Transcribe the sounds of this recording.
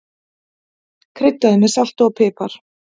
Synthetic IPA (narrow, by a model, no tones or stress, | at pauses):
kʰɾɪt̪ːaðʏmɪsal̥t̪ɔpʰɪːpaɾ̥